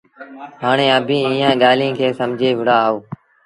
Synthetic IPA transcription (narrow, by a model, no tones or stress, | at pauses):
ɦaːɳeːəbʱĩːĩːãːɠaːlĩːkʰeːsəmd͡ʒʱeːʋɪɽaːoː